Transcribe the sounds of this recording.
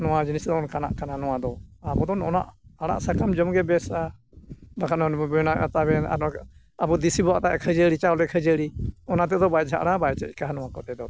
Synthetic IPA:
nɔwad͡ʒinisd̪ɔɔnkana̰ʔkananɔwad̪ɔabɔd̪ɔnɔna̰ʔaɽ̃a̰ʔsakamd͡ʒɔmɡɛbɛsa | bakʰanɔnbɛnaat̪abɛna̰ɾɔ | abɔd̪isibɔaʔt̪aʔɛkʰəd͡ʒəɽit͡ʃawlɛkʰəd͡ʒəɽiɔnat̪̬ɛd̪ɔbajd͡ʒʱa̰ʔɽabajt͡ʃɛ̰c̚ˀkaɦanɔwakɔt̪ɛd̪ɔ

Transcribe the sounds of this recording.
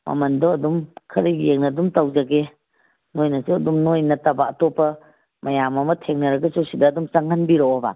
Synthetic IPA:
mɐ̰mɐndɔɐdumkʰɐɾiɡieŋnɐdumtawd͡ʒaɡe | nojnɐsuɐdumnojnɐtabɐːtɔpːɐ | mɐjamɐmɐtʰeŋnɐɾɐɡɐsusidɐːdumsaŋanbiɾɔɔba̰

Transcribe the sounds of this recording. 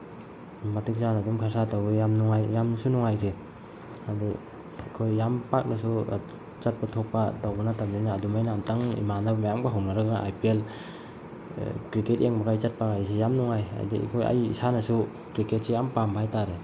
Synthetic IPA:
matik̚zanadumkʰasatawɡejamnuŋajːamnsunuŋajkʰe | adi | kʰojːampak̚nasu | t͡ʃat̚patʰok̚padawbanataɾninaːdumajnamtaŋḭmanamajamɡaɦawnaɾɯɡaʔa̰jpiel | kɾiketeŋbaɡajt͡ʃat̚pakajsejamnuŋaja̰jdḭkʰoja̰jḭsanasu | kɾiket̚sejampampʰajtaɾe

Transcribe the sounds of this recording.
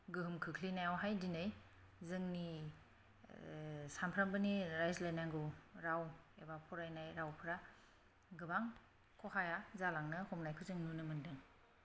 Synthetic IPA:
ɡɯɦɯmkʰɯkʰlinajawɦajdinɯj | zɯŋni | sampʰɾambɯniɾajzlajnaŋɡɯwɾawebapʰɔɾajnajɾawpʰɯɾa | ɡɯbaŋ | kʰɔɦajazalaŋnɯhɔmnajkʰɯzɯŋnunɯmɯndɯŋ

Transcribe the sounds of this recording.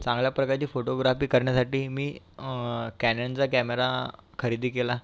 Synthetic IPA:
t͡sãŋɡljapɾəkaɾt͡ɕiːfoʈoɡɾafiːkəɾɳjasaʈiːmiː | kænent͡sakæmeɾakʰəɾid̪ʱiːkela

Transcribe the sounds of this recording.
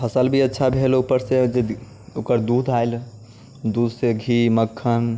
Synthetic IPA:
pʰəsəlbʱiətːʃʰabʱelupəɾsed͡ʒe | okəɾd̪ud̪ʱaɪl | d̪ud̪ʱseɡʱiməkʰːən

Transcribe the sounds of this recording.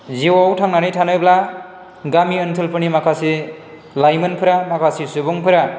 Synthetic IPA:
ziwawtʰaŋnanɯjtʰanɯjbla | ɡamiɯntʰɯlpʰɯnimakʰasi | lajmɯnpʰɯɾamakʰasisubuŋpʰɯɾa

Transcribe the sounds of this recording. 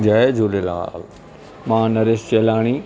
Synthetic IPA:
d͡ʑaed͡ʑoːlela̰ːl | mãːnɐɾest͡ɕelaːɽ̃i

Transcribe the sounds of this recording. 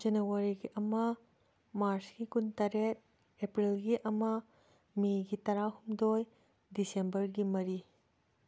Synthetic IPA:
d͡ʒenewaɾiɡiʔɐmɐ | maɾsɡ̥ikuntɐɾet̚ | epɾilɡiʔɐmɐ | miɡitɐɾahumdoj | disembɐɾɡimɐɾi

